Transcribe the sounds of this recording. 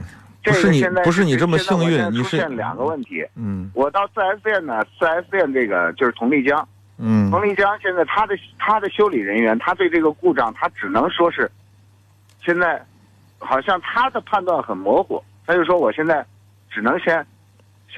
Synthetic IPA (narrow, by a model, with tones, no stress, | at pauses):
ʈ͡ʂe˧˥˩ɡə˩ɕjɛ˥˧nt͡sa˥˧ɪ˧˥ʂ̬ɻ̩˥˩ni˨ʈ͡ʂə˥mə˩˥˧ɕŋy˥˩˥iʈ͡ʂʰu˥ɕjɛ˥˩lə˩ljɑ̰˨˩ŋɡə˦wə˥˩nt̪ʰḭ˧˥˩wɔ˨˩t̪ɑ˥˧ʊsɹ̩˥˧a˧˥ɪs̩˥jɛ˥˩nnə˩sɹ̩˥˩a˧˥ɪs̩˥˧jɛ˥˧nʈ͡ʂɤ˥˩ɡə̰˩t͡ɕjo˥˧ʊʂ̩˥˩t̪ʰʊ˧˥ŋli˥˩t͡ɕjɑ˥ŋ̩˥˩ | t̪ʰʊ˧˥ŋli˥˩t͡ɕjɑ˥ŋɕjɛ˥˧nt͡sa˥˩ɪt̪ʰa˥d̪ə˨t̪ʰa˥d̪ə˨ɕjo˥ʊli˨˩ɻə˧˥nɥɛ˧˥nt̪ʰa˥t̪we˥˧ɪʈ͡ʂɤ˥˩ɡə˩ku˥˧ʈ͡ʂɑ˥˩ŋt̪ʰa˥ʈ͡ʂɻ̩˨˩nɤ˧˥ŋʂwɔ˥ʂɻ̩˥˩ | ɕjɛ˥˧nt͡sa˥˩ɪ | xɑ˨˩ʊɕjɑ˥˩ŋt̪ʰa˥d̪ə˨pʰa˥˧nt̪wa˥˩nxə˨˩nmwɔ˧˥xṵ˨˩˦t̪ʰa˥t͡ɕjo˥˧ʂ̩ʂwɔ˥wɔ˨˩ɕjɛ˥˧nt͡sa˥˩ɪ | ʈ͡ʂɻ̩˨˩nɤ˧˥ŋɕjɛ˥n